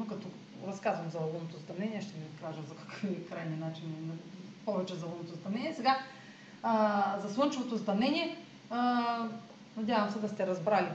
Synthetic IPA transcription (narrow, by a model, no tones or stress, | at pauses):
nokɐt̪ɔ | ɾɐskazvɐmzɐlˠɐlˠunot̪ost̪ɐmnɛniɛʃt̪ɛmit̪kaʒɐmzɐkɐ̥kəfikɾajninat͡ʃinnɐpovɛt͡ʃɛzɐlˠonot̪ost̪ɐmnɛnʲiɛsɛɡa | zɐslˠɤnt͡ʃuvot̪ost̪ɐmnɛniɛ | nɐdʲjavɐmsɛd̪ɐst̪ɛɾɐzbɾali